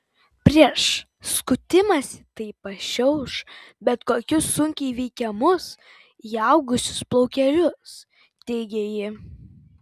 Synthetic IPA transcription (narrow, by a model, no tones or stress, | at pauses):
pʲɾʲiɛʃ | skʊt̪ʲɪmɐsʲɪt̪ɐɪpɐʃʲɛʊʃbʲɛt̪koːkʲʊsːʊŋʲkʲɛɪʋʲɛɪkʲɛmʊs | iɐʊɡʊsʲʊ̥splˠɔʊkʲɛɾʲʊs | t̪ʲɛɪɡʲejɪ